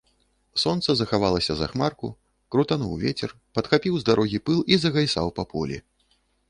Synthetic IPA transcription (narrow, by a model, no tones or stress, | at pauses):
sɔnt̪sɐzɐxavalˠɐsʲɐza̰xmarkṵ | kɾut̪anṵwvʲet͡sʲɛr | pɐt̪xapʲiwzd̪aɾɔɣʲipɨlˠizɐɣajsawpɐpʰulʲḭ